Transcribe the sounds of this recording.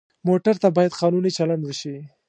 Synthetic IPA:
moʈaɾt̪abɑjad̪qɑnunit͡ʃaland̪wʃi

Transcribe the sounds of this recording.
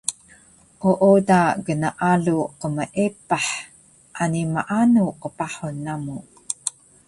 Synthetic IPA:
ʔuʔodaɡənaʔaɮuqəməʔepaħ | ʔanimaʔanuqəpaħunːamu

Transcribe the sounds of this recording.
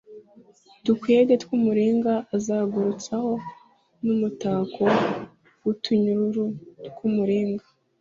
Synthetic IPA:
tukweːɡetkumuɾiːŋɡaːzaːɡuɾut͡saho̞ | numutaːkʰo̞ | wutʰuɲuɾuɾutkumuɾiːŋɡa

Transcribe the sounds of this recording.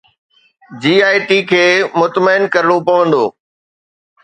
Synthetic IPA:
d͡ʑiːaːɪʈikʰeːmʊt̪məɪnkɐɾɪɽ̃opɐʋə̃nd̪o̰ː

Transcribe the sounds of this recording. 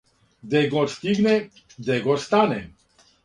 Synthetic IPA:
d̪ɛɡɔɾst̪iɡnɛ | d̪ɛɡɔɾst̪anɛ

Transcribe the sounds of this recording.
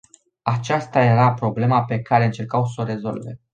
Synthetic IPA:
at͡ʃast̪aje̞ɾapɾo̞ble̞mape̞kaɾe̞ɨnt͡ʃe̞rkawsoɾe̞zo̞̰lve̞̰

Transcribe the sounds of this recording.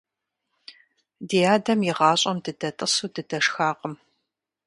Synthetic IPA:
diːaːdɐmjɪʁɑːɕʼɐmdɨdɐtʼɨsuːdɨdɐʂxaːqʼəm

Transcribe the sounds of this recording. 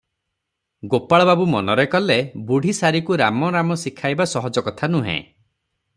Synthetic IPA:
ɡopaɭɔbabumɔnɔɾekɔlebuɽʱisaɾikuɾamɔɾamɔsikʰajbasɔɦɔd͡ʒɔkɔt̪ʰanuɦḛ̃

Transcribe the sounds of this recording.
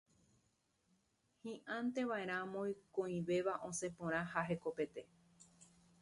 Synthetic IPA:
hĩʔãnt̪e̞ʋae̞ɾ̃ãmõjkõĩʋe̞ʋaʔõ̞se̞põɾ̃ãhaɦe̞ko̞pe̞t̪e̞

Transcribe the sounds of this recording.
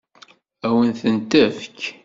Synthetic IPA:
æwənθənt̪æfk

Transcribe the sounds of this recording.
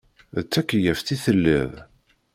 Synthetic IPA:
ət͡sːækːəjəfθiθəlːə̰ð

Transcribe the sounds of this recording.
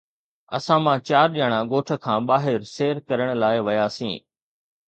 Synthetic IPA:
ɐ̰sãmãːt͡ɕaːɾɗiaɽ̃ãɡoːʈʰə̆kʰãːɓaːɦɪɾseːɾkɐɾəɽ̃laːɪʋɐjaːsḭ̃ː

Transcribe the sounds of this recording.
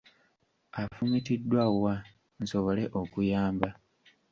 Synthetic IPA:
afumitidːwawa | n̩so̞βo̞le̞ʔo̞kujaːmba

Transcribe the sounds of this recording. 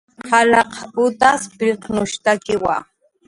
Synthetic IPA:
qʰɑlɑqʊt̪aspɾiqnʊʃt̪akɪwa̰

